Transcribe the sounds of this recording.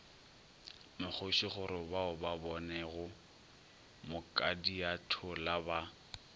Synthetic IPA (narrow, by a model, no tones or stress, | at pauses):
mɪk͡xʊʃiχʊɾɪbaʊbabɔnɛɣʊ | mʊkʼadijatʰʊlaba